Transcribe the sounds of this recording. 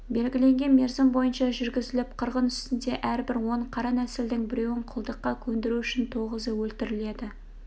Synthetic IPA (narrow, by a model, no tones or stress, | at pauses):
be̞lɡʲɪle̞ŋɡʲe̞nme̞ɾzɪmbo̞jənʃɑʒʏɾɡʲɪzɪlɪp̚qʰəɾʁənʏst̪ɪnd̪e̞ʔæɾbɪɾwo̞ɴqʰɑɾɑnæsɪld̪ɪŋbɪɾe̞wɪɴqʰʊlˠd̪əqːɑkʲʰɵnd̪ɪɾuʏʃɪnt̪ʰo̞ʁəzəwɵlt̪ɪɾɪle̞d̪ɪ